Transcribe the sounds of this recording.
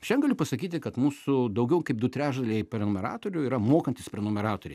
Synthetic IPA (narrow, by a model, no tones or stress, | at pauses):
ʃʲɛnɡɐlʲʊpɐsɐkʲiːt̪ʲɪkɐt̪muːsʊd̪ɐʊɡʲɛʊkɐɪp̚d̪ʊt̪ʲɾʲæːʒd̪ɐlʲɛɪpʲɾʲɛnʊmʲɛɾɑ̰ːt̪oːɾʲʊiːɾɐmoːkɐnʲt̪ʲɪspʲɾʲɛnʊːmʲɛɾɑːt̪oːɾʲɛɪ